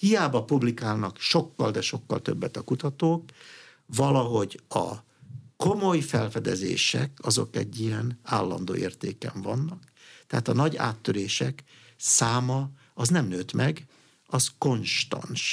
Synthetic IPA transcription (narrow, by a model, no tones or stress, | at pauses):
hijaːbɒpublikaːlnɒkʃo̞kːɒ̰ld̪ɛʃo̞kːɒ̰lt̪ø̞bːɛt̪ɒkut̪ɒt̪oːk | vɒlɒɦo̞ɟɒ̰ | ko̞mojfɛlfɛd̪ɛzḛːʃɛkɒzo̞̰kɛɟːijɛnaːlːɒ̰nd̪o̰ːʔeːrt̪eːkɛ̰ɱvɒnːɒk | t̪ɛɦaːt̪ɒnɒɟa̰ːt̪ːøɾeːʃɛk | saːmɒ | ɒznɛmnøːt̪mʔɛɡ | ɒzko̞nʃt̪ɒ̰nʃ